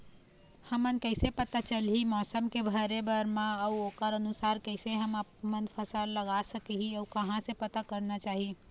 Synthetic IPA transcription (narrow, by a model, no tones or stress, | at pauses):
həmənkəɪsepət̪at͡ʃəlɦimɔsəmkebʱəɾebəɾmãəuokəɾənusaɾkəɪseɦəmamənpʰəsalləɡasəkiɦiəukəɦãsẽpət̪akəɾnat͡ʃaːɦi